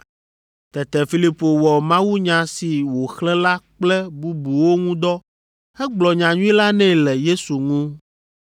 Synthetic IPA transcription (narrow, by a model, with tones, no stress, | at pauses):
t̪ɛ˨t̪ɛ˨fi˦li˦po˨wɔ˨mã˦wu˦ɲã˨si˨wo˨xlɛ̃˦la˦k͡plɛ˦bu˦bu˨wo˦ŋũ˦d̪ɔ˦ | ɛ˦ɡ͡blɔ˨ɲã˨ɲũ˦ĩ˦la˦nɛ̃˦˨lɛ˨je˦su˨ŋũ˦